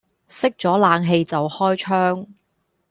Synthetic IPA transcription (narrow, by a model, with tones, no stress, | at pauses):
sɪ˥k̚t͡ʃt͡sɔː˨˥laː˨˧ŋɦe˨˧jt͡sɐ˨whɔː˥jt͡ʃʰœː˥ŋ